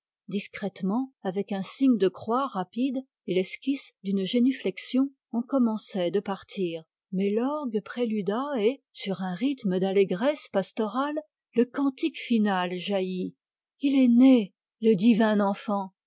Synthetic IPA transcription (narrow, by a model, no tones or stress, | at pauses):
d̪iskχɛt̪mɑ̃avɛkɛ̃siɲd̪əkχwaʁapid̪ | elɛskʲisd̪ynʒeniflɛksjɔ̃ | ɔ̃kɔmɑ̃sɛd̪əpaʁt̪ʰiːʁ | mɛlɔʁɡpχelyd̪aesyʁɛ̃ʁit̪məd̪aleɡʁɛspast̪ɔʁalː | əkɑ̃t̪ikfinalʒaji | ilɛne | ləd̪ivɛ̃nɑ̃fɑ̃